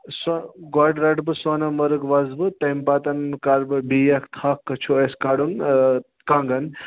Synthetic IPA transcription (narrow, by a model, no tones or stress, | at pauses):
sɡaɖɾɐɖbɨsanamɐɾɨɡʋɐzbɨt̪empat̪ɐnkaɾbɨbijakt̪ʰakːɐt͡ʃʰueskaɽun | kaŋɡɐn